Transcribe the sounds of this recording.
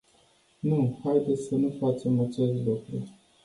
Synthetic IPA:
nuhajd̪esʲsənufat͡ʃe̞mat͡ʃe̞st̪lukɾu

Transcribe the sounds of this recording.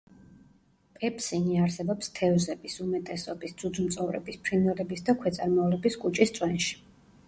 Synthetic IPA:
pʼɛpʰsiniaɾsɛbɔpst̪ʰɛvzɛbisumɛt̪ʼɛsɔbisd̪z̥ud̪zmt̪sʼɔvɾɛ̰bispʰɾinɛlɛbisd̪akʰwɛt̪sʼaɾmɔlɛbiskʼut͡ʃʼist̪sʼwɛnʃi̥

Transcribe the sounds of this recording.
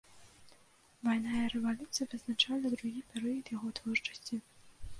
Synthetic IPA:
vajnajɐɾɛvalʲut̪sɨjɐvɨznat͡ʂalʲˠɐd̪ɾuɣʲipʲɛɾɨjɐt̪jaɣɔt̪vɔrt͡ʂɐ̥sʲt͡sʲi

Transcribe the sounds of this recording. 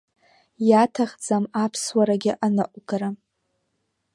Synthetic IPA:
jatʰaχd͡zamapʰswaɾaɡʲɪʔanɨʔʷʼɡaɾa

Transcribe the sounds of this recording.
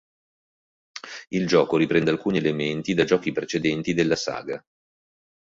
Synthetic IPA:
ild͡ʒɔːkoɾipɾɛnd̪ealkuːnielement̪id̪ad͡ʒɔːkipɾet͡ʃed̪ɛnt̪id̪elːasa̰ːɡa

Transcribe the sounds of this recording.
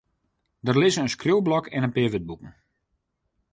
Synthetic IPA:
dərlɪzənənskruwˠblɔkʰɛnənpɪəʋəd̚bukən̩

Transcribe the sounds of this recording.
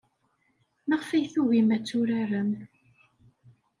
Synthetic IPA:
məʁfæjθuɣimæt͡sːʊɾaɾəm

